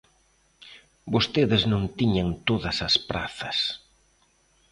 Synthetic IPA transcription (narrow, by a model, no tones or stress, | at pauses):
bost̪eðɪznõnt̪iɲɐnt̪oðɐsɐspɾa̰θɐs